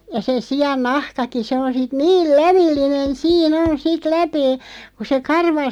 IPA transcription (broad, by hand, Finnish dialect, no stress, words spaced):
jɑ se siɑn nɑhkɑki se on sit niːl læʋilːinen̞ siːn on sit læpeː ku se kɑrʋɑ